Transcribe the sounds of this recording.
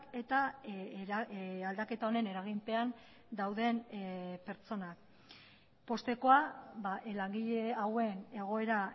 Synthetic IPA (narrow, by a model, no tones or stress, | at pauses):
ke̞t̪a | ald̪ake̞t̪aone̞ne̞ɾaɣ̞impe̞an | d̪awðe̞npe̞ɾt͡so̞nak | po̞st̪e̞ko̞abalaŋɡiʎe̞awe̞ne̞ɣ̞o̞e̞ɾa